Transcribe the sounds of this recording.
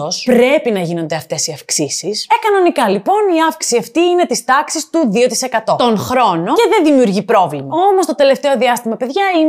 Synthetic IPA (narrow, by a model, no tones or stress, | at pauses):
ospɾe̞pinɐʝino̞nd̪e̞ɐft̪e̞siɐfksisisekɐnonikɐlipo̞niɐfksiɐft̪iine̞t̪ist̪ɐksist̪uðio̞t̪i̥se̞kɐt̪o̞t̪o̞nxɾo̞no̞eðe̞nðimiuɾʝipɾo̞vlimɐo̞most̪o̞t̪e̞left̪e̞o̞ðiɐst̪imɐpe̞ðʝɐin